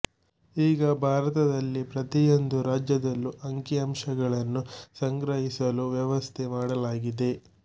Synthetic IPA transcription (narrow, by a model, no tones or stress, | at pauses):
iːɡɐbʱaːɾɐt̪ɐd̪ɐlːipɾɐt̪ijo̞nd̪uɾaːd͡ʒjɐd̪ɐlːuʔɐŋkiɐmʂɐɡɐɭɐnːusɐŋɡɾɐɦisɐluʋjɐʋɐst̪ʰemaːɽɐlaːɡid̪e̞